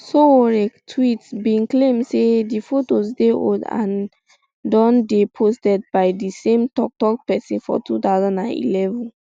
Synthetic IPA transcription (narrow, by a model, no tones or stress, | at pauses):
sooɹɛktʰwitsbĩnklẽmdsedifotosdeʔo̰ldã̰n | dɔ̃ndepʰostɛd̚baɪdisẽmtɔk̚tɔk̚pɛsĩnfɔ̰tʰutaʊzãndãnḭlɛvɔ̃n